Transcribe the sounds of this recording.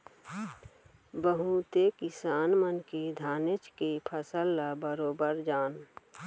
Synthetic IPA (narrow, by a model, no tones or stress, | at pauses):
bəɦut̪ekɪsaːnmənked̪ʱaːnɪt͡ʃkepʰəsəlːabəɾoːbəɾd͡ʒaːn